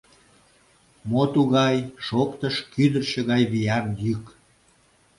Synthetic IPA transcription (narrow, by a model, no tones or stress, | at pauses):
mot̪uɣɑjʃokt̪əʃkyd̪ərʃĕɣɑjβijɑnjyk